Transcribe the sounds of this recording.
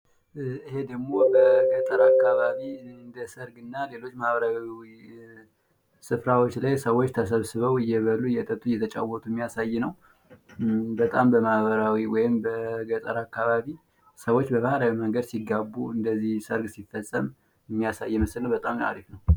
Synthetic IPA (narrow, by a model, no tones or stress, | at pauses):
ɨɦe̞d̪əɡmo̞bəɡət̪ʼəɾakːaβaβind̪əsəɾɡɨnːale̞lo̞t͡ʃːmahβəɾawwi | sɨfɾawot͡ʃːlajsəwot͡ʃːt̪ʰəsəβsɨβəwɨjːɛβəlːuɨjɛt̪ʼət̪ʼujɛt̪ʰət͡ʃʼa̰wɔt̪ʰuɛmːijasajːnəw | bət̪ʼambəmahβəɾawiwɔjɪmbəɡət̪ʼəɾakːaβaβi | səwo̞t͡ʃːbəβahɾawiməŋɡəd̪siɡabːuɨnd̪əzihsəɾɡsifəsʼːəm | mːijasajːɛməslnəwbət̪ʼamt̪a̰ɾifnəw